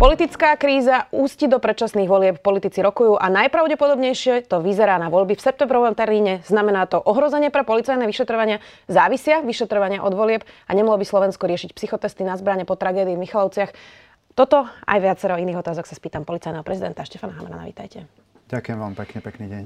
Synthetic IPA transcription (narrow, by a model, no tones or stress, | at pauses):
pɔlit̪it͡skaːkɾiːzauːscid̪ɔpɾɛt̪t͡ʃasniːɣʋɔlɪɛppɔlit̪it͡siɾɔkujuːʔanajpɾaʊɟɛpɔd̪ɔbɲɛjʃɪɛt̪ɔʋizɛɾaːnaʋɔʎbifsɛp̚t̪ɛmbɾɔʋɔmt̪ɛɾmiːɲɛz̥namɛnaːt̪ɔʔɔɦɾɔzɛɲɪɛpɾɛpɔlit͡sajnɛʋiʃɛt̪ɾɔʋaɲɪa | zaːʋisɪaʋiʃɛt̪ɾɔʋaɲɪaʔɔd̪ʋɔlɪɛpaɲɛmalɔbislˠɔʋɛnskɔɾɪɛʃicpsixɔt̪ɛst̪inazbɾaɲɛpɔt̪ɾaɡɛːd̪iːvmixalɔʊt͡sɪax | t̪ɔt̪ɔa̰jʋɪat͡sɛɾɔiniːɣɔt̪aːzɔksaspiːt̪ampɔlit͡sajnɛɦɔpɾɛzid̪ɛnt̪aʃcɛfanaɦa̰mɛna̰na̰ʋḭːt̪a̰jcɛ | ɟ̥akujɛmʋa̰ːmpɛkɲɛpɛkniːɟɛɲ